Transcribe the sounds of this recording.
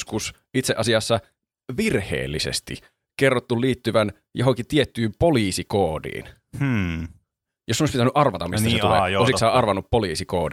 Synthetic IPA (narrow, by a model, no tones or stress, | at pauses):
skus | it̪seʔɑsiɑsːɑ | ʋirhḛːlːisḛst̪ḭ | kerːot̪ːulliːt̪ːyʋæn | joɦoŋkit̪iet̪ːyːmpoliːsikoːdḭːn̩ | josːoisʲpit̪ænyʔɑrʋɑt̪ɑmist̪set̪ulḛːosiksɑːʔɑrʋɑnːuppoliːsiko̰ːdi